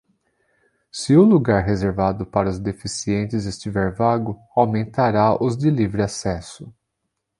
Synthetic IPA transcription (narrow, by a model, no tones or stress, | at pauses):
sɪʊluɡaɾɦezeɾvad̪ʊpaɾɐʊzd̪efisiẽnt͡ʃɪzest͡ʃivɛɾvaɡʊ | awmẽnt̪aɾaʊzd̪elivɾɪasɛsʊ